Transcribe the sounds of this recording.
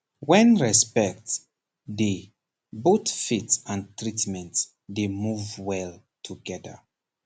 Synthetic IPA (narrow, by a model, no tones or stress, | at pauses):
wɛ̃nɹɛspɛk̚t | de | botfitsãntɹitmɛ̃nt | demuvwɛltʰuɡɛdə̰